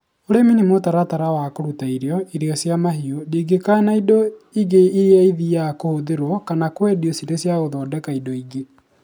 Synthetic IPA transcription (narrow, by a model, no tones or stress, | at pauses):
oɾeminimotaɾataɾawakoɾutaiɾeɔiɾeɔsjamaɦiodiɡekanaidoiɣeiɾeaiðiakohoðeɾwɔkanakwɛdiosiɾesjaɣoðɔːdɛkaidoiɡe